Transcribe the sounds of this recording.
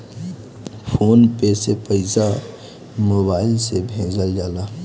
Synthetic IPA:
fʰoːnpesepəɪza | moːbaːɪlsebʱẽːd͡ʒəld͡ʒaːlaː

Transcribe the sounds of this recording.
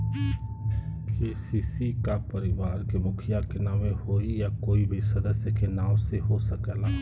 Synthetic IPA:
keːsiːsikapəɾɪʋaːɾkemʊkʰɪjakenaːʋẽhoːijakoːibʱisɐd̪əsjəkenaːmseɦosəkɛlaː

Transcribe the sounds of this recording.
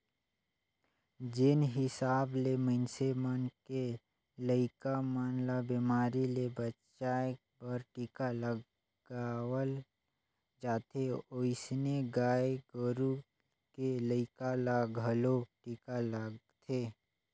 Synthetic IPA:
d͡ʒɪnɦɪsaːblemənsemənke | ləɪkamənlabimaːɾilebət͡ʃa | bəɾʈiːkalə | ɡaːwəl | d͡ʒaːt̪ʰeoɪsneɡaːeɡəɾu | keləɪkalaɡʱəloʈiːkaləɡt̪ʰeː

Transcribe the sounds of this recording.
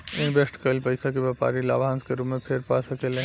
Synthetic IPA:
ɪ̃nbesʈkəɪlpəɪsakebjɛpa̰ːɾila̰ːbʱãnskeɾumepʰeɾpasəkelẽ

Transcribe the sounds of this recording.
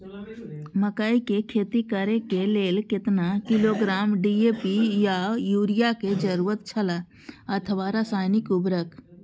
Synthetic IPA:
məkaːikekʰeːt̪ikəɾekeleːlkɪt̪nakɪloɡɾaːmɖieːpijajuːɾijaked͡ʒəɾuːɾət̪̚t͡ʃʰəla | ət̪ʰəʋaɾasaːɪnɪkʊbɾək

